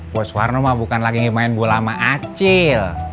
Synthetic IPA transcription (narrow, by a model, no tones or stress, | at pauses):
wɔswarnomabukanlaɡiŋemaɛnbualamaʔat͡ʃɪl